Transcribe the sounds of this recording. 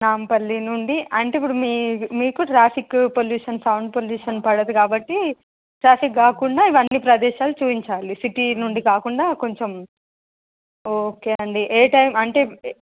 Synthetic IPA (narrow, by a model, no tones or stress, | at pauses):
naːmpɐlːinuɳɖiɐɳʈeːipːuɽumiːmiːkuʈɾaːpʰikpoljuːʂɐnsɐwɳɖ̚poljuːʂɐnpɐɽɐd̪ukaːbɐʈːi | ʈɾaːfʰikɡaːkuɳɖaːiʋɐnːipɾɐd̪ɛːʃaːlut͡ʃuːpiɲt͡ʃaːlisiʈinuɳɖikaːkuɳɖaːko̞ɲt͡ʃom | oːke̞ːɐɳɖiʔeːʈɐjmɐɳʈe̞ː